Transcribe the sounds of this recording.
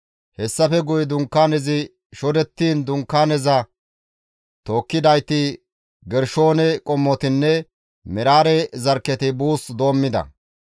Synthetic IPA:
hɛsːɐfɛɡʊjd̪ʊŋkːaːnɛzɪ | ʃɔd̪ɛt̪ːiːnd̪ʊŋkːaːnɛzɐ | t̪o̞ːkːɪd̪ɐjt̪ɪ | ɡɛɾʃoːnɛkʼɔmːɔt̪ɪnːɛ | mɛɾaːɾɛzɐɾkːɛt̪ɪbuːsd̪o̞ːmːɪd̪ɐ̰

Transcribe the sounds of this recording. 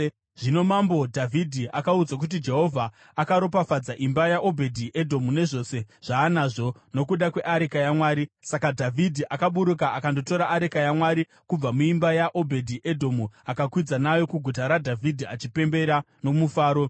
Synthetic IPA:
ʐ̥ino̞mambo̞dʱavʱidʱiʔakaud͡zak̬ut̬id͡ʒe̞ɦo̞vʱaː | kaɾo̞pafad͡zaʔimbajaʔo̞bʱe̞dʱiʔe̞dʱo̞mune̞ʐo̞ːse̞ʐ̥aːnaːʐo̞no̞kuɗakwe̞ʔaɾekajamwaːɾisakadʱavʱidʱiʔakaɓuɾukaakando̞to̞ɾaʔːɾekajamwaɾi | kub͡vamuimbajaʔo̞bʱe̞dʱiʔe̞dʱo̞muakakwid͡zanajo̞kuɡʱutaɾadʱavʱidʱiat͡ʃipe̞mbe̞ɾa | no̞mufaːɾo̞

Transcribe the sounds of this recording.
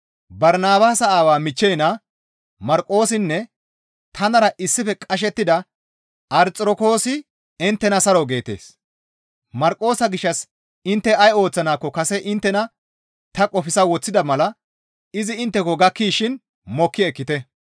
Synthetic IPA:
bɐɾnaːbaːsɐaːwaːmɪt͡ʃːɛjnɐ | mɐɾkʼːo̞ːsɪnːɛ | t̪ʰɐnɐɾɐʔɪsːɪfɛkʼɐʃ̬ɛt̪ːɪd̪ɐ | ʔɐɾt͡sʼɾɔko̞ːsɪ | ɪnt̪ːɛnɐsɐɾɔɡe̞ːt̪e̞̰ːs | mɐɾkʼːo̞ːsɐɡɪʃːɐs | ɪnt̪ːɛɐjo̞ːt͡sːɐnaːkːɔkɐsɛʔɪnt̪ːɛnɐ | t̪ɐkʼɔfɪsɐwɔt͡sːɪd̪ɐmɐlɐ | ɪzɪɪnt̪ːɛkɔɡɐkːiːʃɪn | mɔkːɪɛkːɪt̪ɛ

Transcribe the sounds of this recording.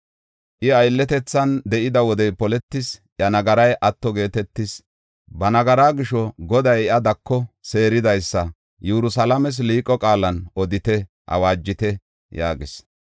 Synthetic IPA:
ʔɪɐjlːɛt̪ɛt͡sːɐnd̪ɛʔɪd̪ɐwɔd̪ɛjpɔlɛt̪ːɪsʔɐnɐɡɐɾɐjʔɐt̪ːɔɡe̞ːt̪ɛt̪ːɪs | bɐnɐɡɐɾaːɡɪʃɔɡɔd̪ɐjɛʔɐd̪ɐkːɔse̞ːɾɪd̪ɐjsːɐ | jɛɾʊsɐlɐmɛs̬liːkʼːɔkʼaːlɐnʔɔd̪ɪt̪ɛ | hɐ̰waːd͡ʒːɪt̪ɛ | jaːɡɪs

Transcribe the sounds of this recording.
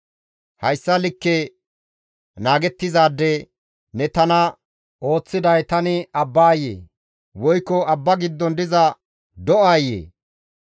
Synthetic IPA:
hɐjsːɐlɪkːe | naːɡɛt̪ːɪzaːd̪ːɛ | nɛt̪ɐnɐ | ʔo̞ːt͡sːɪd̪ɐjt̪ɐnɪɐbːaːjːḛː | wɔjkːɔɐbːɐɡɪd̪ːɔnd̪ɪzɐ | d̪ɔʔaːjḛː

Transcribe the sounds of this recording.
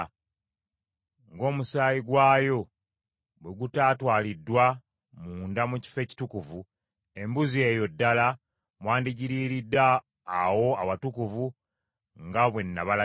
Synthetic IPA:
ŋɡo̞ːmusaːjiɡwaːjo̞ | bwe̞ɡutaːtwaːlidːwa | muːndamuci̥fe̞ːci̥tukuvu | e̞mbuzie̞ːjo̞dːala | mwaːndiɟiɾiɾidːaː | wo̞awatukuvu | ŋɡaβwe̞nːaβala

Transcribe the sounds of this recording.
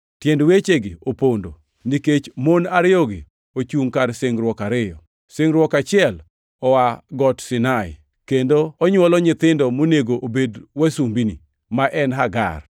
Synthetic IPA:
tjendwet͡ʃeɡɪ̰opondo̰ | niket͡ʃmonaɾɪɔɡɪ̰ | ot͡ʃuŋkaɾsɪŋɾwɔkaɾɪjɔ | seŋɾwɔkat͡ʃɪɛl | ɔwaɡɔtsɪnaɪ̰ | kendoːɲwɔlɔɲɪt̪ɪndɔmoneɡoʔobedwasumbinḭ | maʔɛnɦaɡa̰r

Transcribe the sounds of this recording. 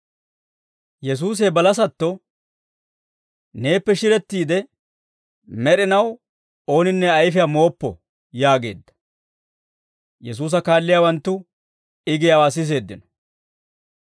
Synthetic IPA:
jɛs̬uːs̬eːbɐlɐs̬ɐt̪ːɔ | ne̞ːpːɛʃɪɾɛt̪ːiːd̪ɛ | mɛɗɪnɐw | o̞ːnɪnːɛɐjfɪjamo̞ːpːɔ̰ | jaːɡe̞̰ːd̪ːɐ̥ | jɛs̬uːs̬ɐkaːlːɪjaːwɐnt̪ːʊ | ɪɡɪjawaːs̬ɪs̬e̞ːd̪ːɪnɔ̥

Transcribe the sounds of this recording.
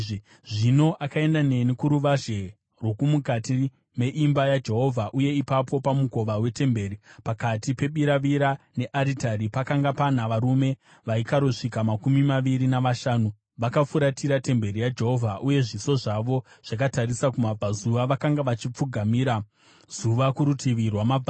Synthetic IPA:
ʐino̞ʔakae̞ndane̞nikuɾuʋaʒe | rwo̞kumukati | me̞ʔimbajad͡ʒe̞ɦo̞vʱaʔuje̞ipapʰo̞pamuko̞ʋawe̞te̞mbe̞ːɾipakatipe̞ɓiɾaʋiɾane̞ʔaɾitaɾipakaŋɡapan̤aʋaɾume̞ | ʋaikaɾoʂikamakumimaʋiɾinaʋaʃaːnu | ʋakap͡ffuɾatʰiɾate̞mbe̞ɾijad͡ʒe̞ɦo̞vʱaʔuje̞ʐiso̞ʐaʋo̞ | ʐ̥akataɾisakumab͡vʱazuʋaʋakaŋɡaʋat͡ʃip͡fuɡʱamiːɾa | z̥uʋakuɾutʰiʋirwamab͡va

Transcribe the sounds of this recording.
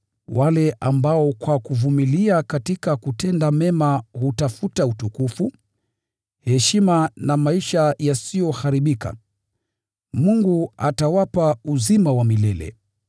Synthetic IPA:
wʔalɛʔambaɔkwakuvumiliakatikakutɛndamɛmahutafutautukufu | hɛʃimanamaiʃajasijɔhaɾiɓika̰ | muŋɡuatawapauzimawamilɛlɛ̰

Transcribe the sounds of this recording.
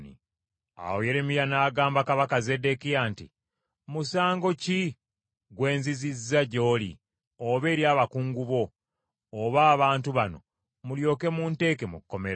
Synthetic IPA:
nḭ | a̰woje̞ɾe̞mijanaːɡaːmbakaβakaze̞de̞kijaːntḭ | musaːŋɡo̞ci | ɡwe̞ːnzizizːaɟo̞ːlḭ | oβe̞ːɾjaːβakuːŋɡuβo̞ː | βaːβaːntuβano̞̰ | muljo̞ːke̞muːnte̞ːke̞mukkːo̞meɾ

